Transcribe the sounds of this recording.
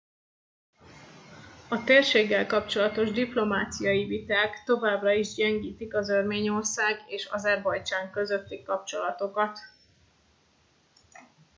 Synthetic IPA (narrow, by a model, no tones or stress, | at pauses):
ɒt̪eːrʃeːɡːɛlkɒp̚t͡ʃo̞lɒt̪o̞ʒd̪iplo̞maːt̪sijɒivit̪aːkt̪o̞vaːbrɒiʒɟɛŋɡiːt̪ikɒzørmeːɲo̞rsaːɡeːʃɒ̰zɛrbɒjt͡ʃaːŋkø̞zø̞t̪ːikɒpt͡ʃo̞lɒt̪o̞kɒt̪